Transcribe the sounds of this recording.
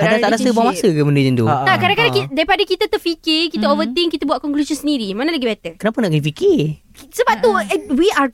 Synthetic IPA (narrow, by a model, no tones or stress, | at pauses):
kadaaʔɾasəbaaŋmasəkəməndəd͡ʒənt̪ṵakadãŋkadãkidaipadakit̪at̪ərfikɪrkit̪aovət̪ɪŋkit̪abwaʔ̚kɔŋklusɔnsəndiɾimanaləɡibɛt̪əkənapanaʔɡifiki | səbap̚t̪uwia